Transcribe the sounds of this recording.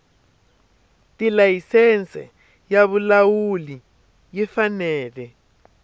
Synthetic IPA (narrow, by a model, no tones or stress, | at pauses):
tilajisɛnt͡sɛ̰ | jaβulawuli | jifanɛːlɛ